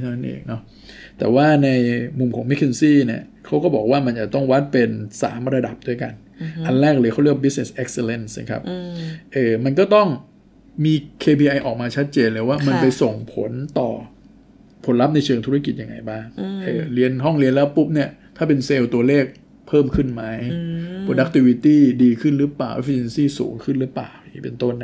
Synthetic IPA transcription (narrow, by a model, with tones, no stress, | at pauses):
na˦˥nʔḛː˨˩ŋ̚nɔ˦˥ | t̪ɛ̰ː˨˩waː˥˩na˧jmu˧mkʰɔː˩˦ŋmɛ˦˥kʰːe˧nsiː˥˩ni˥˩ɐkʰa˦˥wkɔː˥˩bɔː˨˩k̚waː˥˩ma˧nt͡ɕa˨˩t̪ɔ˥˩ŋwa˦˥t̪̚pe˧nsa̰ː˩˦mɾa˧da˨˩p̚du˥˩əjka̰˧n | ʔa˧nlɛː˥˩k̚lɤː˧kʰa˥˩wɾi˥˩k̚bi˦˥sne˨˩sʔe˦˥k̚se˧le˧˩nsna̰˦˩kʰa̰˦˥p̚ʔɤː˨˩ma˧nkɔː˥˩t̪ɔ˥˩ŋ | miː˧kʰeː˧pʰiː˧ʔa˧jʔɔː˨˩k̚maː˧t͡ɕʰa˦˥t̪̚t͡ɕeː˧nlɤː˧waː˥˩ma˧npa˧jso˨˩ŋpʰo˩˦nt̪ɔː˨˩ | pʰo˩˦nla˦˥p̚na˧jt͡ɕʰɤː˧ŋt̪ʰu˦˥ɾa˥˧ki˨˩t̪̚ja˧ŋːa̰˧jbaː˥˩ŋʔɤː˨˩li˧ənɦɔ˥˩ŋli˧ənlɛ˦˥pu˦˥p̚ni˥˩ɐt̪ʰaː˥˩p̬e˧nseː˧wt̪u˧ɐleː˥˩k̚ | pʰɤː˥˩mkʰɯ˥˩nma˦˥jpʰɾoː˧da˦k̚t̪ʰi˧wi˦˧t̪iː˥˩diː˧kʰɯ˥˩nɾɯ˦˥plaː˨˩wʔḛ˦˥fi˧e˧nsiː˥˩sṵː˩˦ŋkʰɯ˥˩nɾɯː˦˥pla̰ː˨˩wi˨˩pḛ˧nt̪o˥˩nːa˦˥